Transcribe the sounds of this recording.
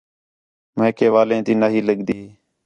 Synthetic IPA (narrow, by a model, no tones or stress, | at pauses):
mẽːkʰeːʋaːlẽːt̪iːnaːɦiːləɠd̪iː